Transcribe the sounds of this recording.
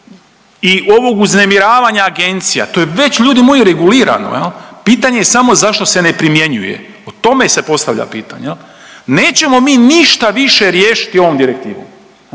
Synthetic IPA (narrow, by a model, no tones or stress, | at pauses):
iʔo̞ʋo̞ɡuzne̞miɾaːʋaɲaːɡe̞nt̪sija̰t̪o̞jeʋe̞t͡ɕʎuːd̪imojuɾe̞ɡuliːɾa̰no̰jelpiːt̪aɲe̞jesamo̞zaʃt̪o̞se̞ne̞pɾimje̞ɲujḛ | ot̪o̞me̞se̞po̞st̪aʋʎa̰piːt̪a̰ɲej | neːt͡ɕe̞mo̞miːniʃt̪aʋiʃe̞ɾjeːʃi̥t̪io̞ʋo̞md̪iɾek̚t̪iːʋo̰m